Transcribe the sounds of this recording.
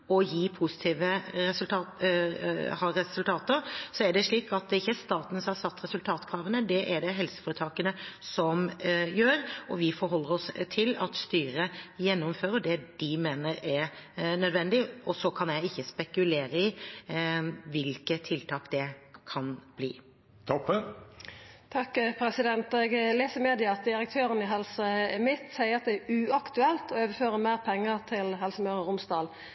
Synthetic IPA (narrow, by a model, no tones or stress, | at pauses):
ɔjiːpʰʊsɪ̥t̪ʰiːʋəɛsʉlt̪ʰɑː | hɑɾɛsʉlt̪ʰɑːt̪əɾsɔæɖɛʂɭiːkɑt̪̚d̪ɪçːəst̪ɑːt̪n̩sɔmhɑɾsɑt̪ːɾɛsʉlt̪ʰɑːt̪kʰɾɑːʋənəd̪ɛʔɛɖɛɦɛlsə̥fɔːɾət̪ʰɑːkənəsɔmjøːɾɔʋɪfɔɾɦɔlːəɾɔst̪ʰɪlɑt̪st̪yːɾəjɛnːʊmføːɾəd̪ɛd̪̥ɪmeːnəɾɛɾnœd̪ʋɛnd̪ɪɔsɔkʰɑnjæɪɪçːəspɛkʉleːɾəɪ | ʋɪlkət̪ʰːɪlt̪ʰɑːkd̪ɛkʰɑnb̥lḭː | t̪ʰɔpː | t̪ʰɑkːpʰɾɛsɪd̪ɛnt̪ɛɡleːsəmeːd̪ɪɑt̪̚d̪ɪɾək̚t̪ʰøːɾənɪɦɛlsəmɪt̪sæɪəɾɑt̪̚d̪ɛæʉɑkt̪ʉɛlt̪ɔøːʋəføːɾəmæːʁpʰɛŋːət̪ʰɪlɦɛlsəmœɾəɾʊmsd̪ɑːl